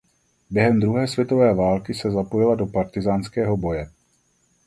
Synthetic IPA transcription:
bjɛɦɛmd̪ɾuɦɛːsvjɛt̪o̞vɛːvaːlkɪsɛzapo̞jɪlado̞paɾt̪ɪzaːnskɛːɦo̞bo̞jɛ

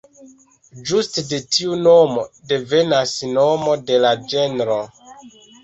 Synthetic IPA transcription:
d͡ʒustde̞tʰiunomode̞ve̞nasnomo̞de̞lad͡ʒenɾo

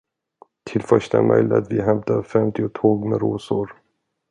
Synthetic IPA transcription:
t̪ʰɪlfœʂʈa̰ɾmʔœ̰jlɪa̰t̪vɪɦɛmt̪afɛmt̪ɪʊt̪ʰoːɡmɛɾoːsʊɾ

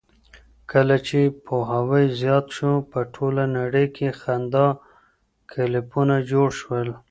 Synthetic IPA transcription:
kəlat͡ʃepʰoɦawəjzjɑt̪ʃopəʈʰolanaɽəjkʰexand̪ɑ | kʰɪlɪpunad͡ʒoɽʃwəl

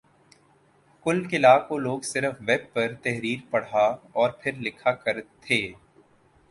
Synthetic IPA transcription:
kʊlkɪlaːkoloːɡsɪɾəfʋɛːb̚pɐɾt̪ɛɦɾiːɾpɐɽ̤aːɔːɾpʰɪɾlɪkʰakɐɾt̪ʰeː

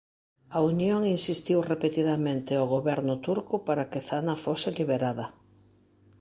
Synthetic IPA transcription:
aunjoŋinsist̪iwrepet̪iðamẽnt̪ɪawɣoβɛɾnʊt̪uɾkʊpaɾɐkɪθanɐfosɪliβ̞eɾaðɐ

